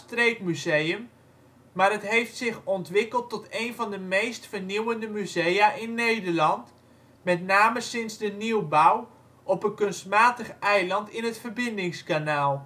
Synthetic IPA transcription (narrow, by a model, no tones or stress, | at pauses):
strejkmyzejəm | maːrətɦejftsɪχɔntʋɪkəlˠtːɔtejnvɑndəmejstfəniwəndəmyzejaʔɪnːejdəɹlɑnt | mɛtnaːməsɪnzdəniwbaw | ʔɔpənkɵnstmaːtəχɛjlɑntɪnətfərbɪndɪŋskanaːlˠ